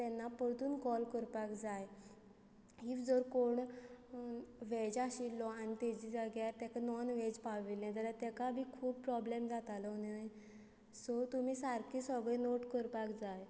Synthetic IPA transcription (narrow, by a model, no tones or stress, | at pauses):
t̪ɛnːapəɾd̪uːnkɔlkəɾpakd͡zaj | ɦiːfd͡zɔɾkoɳ | ʋed͡ʑaɕilːɔañit̪ɛd͡ʑid͡zaɡjaɾt̪ɛkanɔnʋed͡ʑpaʋiljɛ̃t̪aɾat̪ɛkabʱiːkʰuːb̚pɾɔblemd͡zat̪alɔnaj | sɔt̪um̤iːsaɾkʰiːsəɡɭenoʈkəɾpakd͡zaj